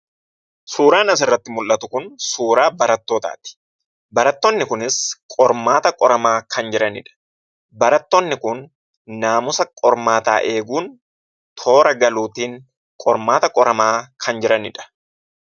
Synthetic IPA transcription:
suːɾaːnɐs̬ɪrːɐt̪ːɪmʊlʔːɐt̪ʊkʊnsuːɾaːbɐɾɐt̪ːoːt̪a̰ːt̪ɪ̥ | bɐɾɐt̪ːɔnːɪkʊnɪskʼɔɾmaːt̪ɐkʼɔɾɐmaːkʰɐnd͡ʒɪɾɐnɪᶑɐ̥ | bɐɾɐt̪ːɔnːɪkʊnː | aːmʊsɐkʼɔɾmaːt̪a̰ːʔe̞ːɡuːn | t̪ʰo̞ːɾɐɡɐluːt̪iːn | kʼɔɾmaːt̪ɐkʼɔɾɐmaːkʰɐnd͡ʒɪɾɐnɪᶑɐ̥

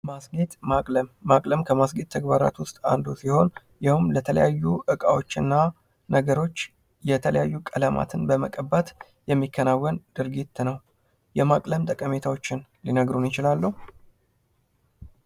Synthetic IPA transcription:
masɡit̪ʼmakʼləmːakʼləmkʰəmasɡet̪t̪ʰːəɡbaɾa̰t̪wʊst̪ʼa̰nd̪usiho̞n | jɪhumlət̪ʰələ̰jajːuʔɨkʼawot͡ʃːɪnːa | nəɡəɾo̞t͡ʃː | jɛt̪ʰələjajːukʼələmʔa̰t̪ʰɨnbəməkʼəbːat̪ | jɛmːikʰːənawːənd̪̥ɨɾɡit̪ːnəw | jɛmakʼləmt̪ʼəkʼəme̞t̪ʰawo̞t͡ʃːɪnlinəɡɾunjɪt͡ʃɪlalːəhu

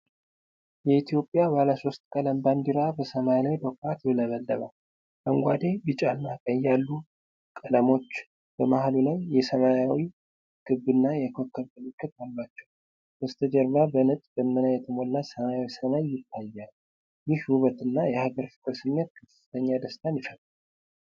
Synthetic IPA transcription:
jɛit̪ʰijo̞pʼjabaləso̞st̪ʼkʼələmband̪iɾabəsəmajlajd̪okat̪bɨləβəld̪əβa̰ | məŋɡʷad̪ebɨt͡ʃʼalːakʼəjːalːu | kʼələmo̞t͡ʃː | b̥əmahlulajːɛsəmajawi | ɡ̥ɨbːɨnːajɛkʰo̞kːəɾməlɨkʰːɨt̪̚alːat͡ʃːɛw | bəst̪ʰəd͡ʒəɾβabənət̪ʼbəmːənajɛt̪ʰəmo̞lːasəmajawisəmaɲːɪt̪ʰːajːal | jɪhwuβət̪ɨnːajɛhaɡəɾfɨ̥k̪ʼəsɨmːɛt̪̚kʰɨfɨ̥t̪ʰəɲːad̪əst̪ʰanjɪfət̪ʼː

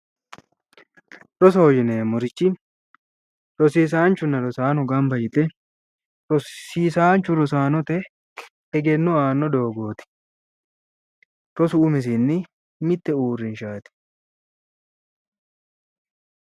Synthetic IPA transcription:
ɾɔsɔɔjɪneːmʊɾɪt͡ʃːɪ | ɾɔsiːs̬aːnt͡ʃːʊnːɐɾɔsaːnɔɡɐmbɐjɪt̪ːɛ | ɾɔsiːsaːnt͡ʃːʊɾɔsaːnɔt̪ɛ | ɛɡɛnːɔaːnːɔd̪o̞ːɡo̞ːt̪ɪ̥ | ɾɔsʊːmɛs̬ɪnːɪ | mɪt̪ːɛuːrːɪnʃaːt̪ɪ̥

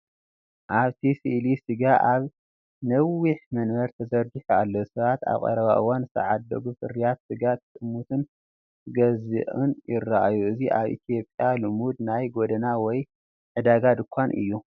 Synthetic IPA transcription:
ʔaβt̪ʰisɨʔlisɨɡaʔaβ | nɐwiħmɐnmɐɾt̪ʰɐzɐɾɡɨħualːosɐβat̪a̰βkʼɐ̰ɾɐβa̰ʔɨwansɐ̰ʕad̪d̪ɐ̰ɡufɨ̰ɾijat̪sɨɡat̪kʼɨmːut̪ʰɨn | ɡɐzɨ̰ʔʼɨnjɪrːaʔajuʔɨziʔaβʔḭt̪ʰjo̞pʼjalɨmud̪̚najɡod̪ɐnawɔj | ʕɨd̪aɡad̪ɨkʷʰːanʔɨ̰jːu

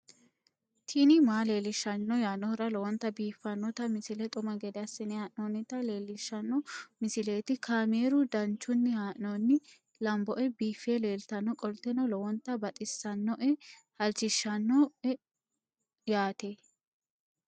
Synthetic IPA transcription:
t̪ʰinɪmaːle̞ːlɪʃːɐnːɔjaːnɔɾɐlɔwɔnt̪ːɐbiːfːɐnːɔt̪ɐmɪsɪlɛt̪ʼʊmɐɡɛd̪ɛɐsɪnɪhaːʔnoːnːɪt̪ɐle̞ːlːɪʃːɐnːɔmɪsɪle̞ːt̪ɪkʰaːmeːɾʊd̪ɐnt͡ʃːʊnːɪhaːʔnonːɪ | lɐmbɔʔɛbiːfːeːle̞ːlt̪ɐnːɔkʼɔlt̪ɛnɔlɔwɔnt̪ːɐbɐt̪ʼɪsːɐnːɔʔɛhɐlt͡ʃɪʃːɐnːɔɛ | jaːt̪e

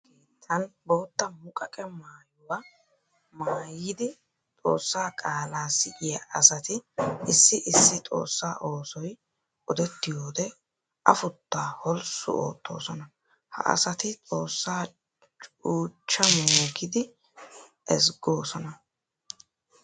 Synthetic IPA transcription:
ɡiːt̪ʰɐnboːt̪ːɐmʊkʼɐkʼɛmaːjʊwɐ | maːjɪd̪ɪ | t̪ʼo̞̰ːsːaːkʼaːlaːsɪʔɪjɐʔɐsɐt̪ɪɪsːɪʔɪsːɪt̪ʼo̞̰ːsːaːʔo̞ːsɔj | ʔɔd̪ɛt̪ːɪjoːd̪ɛ | ʔɐfʊt̪ːaːhɔlsʊ̰o̰ːt̪ʰːo̞ːsɔnɐ | hɐ̰ʔɐ̰sɐt̪ɪt̪ʼo̞ːsːaː | t͡ʃʼuːt͡ʃːɐmoːɡɪd̪ɪ | ʔɛsɡo̞ːsɔnɐ

